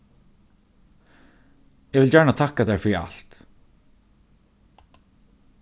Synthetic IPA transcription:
ɛʋɪljæːɳat̪ʰakad̪æːɹfœɾia̰lt̪

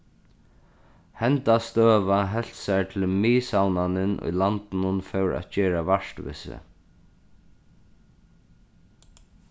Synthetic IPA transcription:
hɛnt̪ast̪œːʋaɦɛl̥t̪saɹt̪ʰɪlmiːsawnanɪnʊ̰jlant̪ɪnʊnfœwɹa̰t̪t͡ɕɛːɾaʋaʂt̪ʋɪ̰sɪ̰

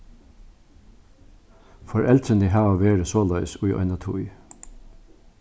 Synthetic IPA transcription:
fɔɹʔɛlt̪ʰɾənəɦɑːʋəʋeːɹəsoːlœʏsʉʏʔœ̰ɪnɑt̪ʰṵʏ

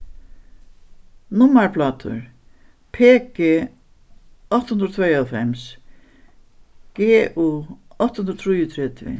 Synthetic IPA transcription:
nʊmːaɹpʰlaːt̪ʰʊ̰ɹ | pʰeːkeː | ɔht̪hund̪ɾɔt̪ʰvɛjawfɛms | ɡ̥eːʔuɔht̪hunɾɔt̪ʰɾujʊt̪ʰɾɛt̪ɪ̰

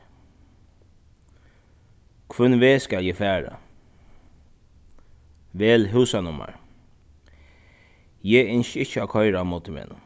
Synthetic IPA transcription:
kʰʋʉnʋeːskaljɛːfæːɹa̰ | ʋɛːlɦʉːsanʊma̰ɹ | jɛɪnʃɪçəakʰɔʏɾamɔːt̪ɪmḛːn

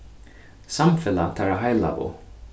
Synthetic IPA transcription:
samfɪlat̪ʰaɾaɦajla̰ʔʊ̰

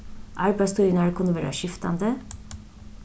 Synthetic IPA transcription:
ʔɑɹbæɪst̪ʰuɾənæɽkʰʉnːəʋæːɾɑ̰ʃɪft̪ɑ̰nd̪ə

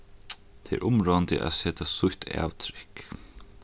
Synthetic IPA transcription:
t̪ʰɛɛ̰ɾʔʊmɾoant̪ɪ̰ʔæ̰sɛːt̪ʰasʊht̪ʰa̰ːwt̪ʰɾɪhk

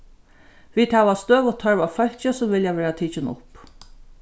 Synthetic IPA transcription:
ʋiːd̪hæːʋast̪øːʋʊt̪ʰːœɹvafœlt͡ʃəsʊmvɪljaʋɛːɹat̪ʰiːt͡ʃɪnʊ̰p

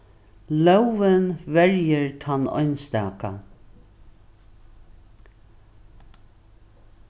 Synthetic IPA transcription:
lœwvɪnvɛɹjɪɹt̪ʰanɔ̰ʏnst̪ɛːka

